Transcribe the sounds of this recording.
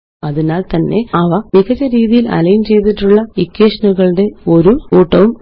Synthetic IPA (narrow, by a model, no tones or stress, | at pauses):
ɐðinaːlt̪ɐnːe̞ɐʋɐniɣɐt͡ɕɐɾiːðijilɐ̰lɐjmt͡ɕe̞jt̪̬iʈːuɭːɐikːeːʂɐnuɣɐɭɽe̞o̞ɾuuːʈːɐʋum